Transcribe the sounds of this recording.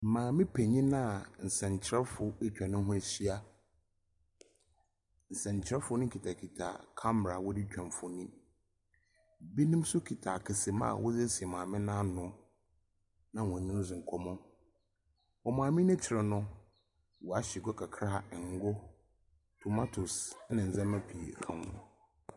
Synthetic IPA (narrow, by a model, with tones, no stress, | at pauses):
m̩˨mãː˨mɪ̃˦pʰe˨ɲĩ˦nã˦˨n̩˨sɛ̃˨ɲ˨t͡ɕʰɪ˦ɾɛ˦fʊ˨e˦t͡ɕᶣã˨nʊ̃˦ɦʊ̃˦æ˨si˦a˦ | n̩˨sɛ̃˨ɲ˨t͡ɕʰɪ˦ɾɛ˦fʊ˦nʊ̃˦kʰi˨tʰa˨kʰi˨tʰa̰˨kʰã˦m˨a˨wʊ˦di˦t͡ɕᶣã˨nfʊ˨nĩ˦ | bi˦nĩ˦msʊ˦kʰi˨tʰa˨kʰɪ˨sɪ˨mã̰ː˦˨wʔʊ˦zɛ˦sɪ˨ɛ˨mãː˨mɪ̃˦nã˦nʊ̃˦ | nã˦wɔ̃˨nɪ̃˦zɪ̃˨ŋ̩˨kʰɔ˨mʊ̃˦ | ɔ˨mãː˨mĩ˦nɪ̃˦t͡ɕʰɪ˨ɾɪ˨nʊ̃˦ | wɔ˨a˨ɕɪ˨ɡɔ˦kʰa˨kʰɾa˦ha˨ŋ̩˦ɡʊ˦ | tʰu˨ma˦tʰʊ˨snɪ̃˨n̩˨zɛ̃˦mã˦pʰi˨ḛ˨kʰã˨nfʊ˦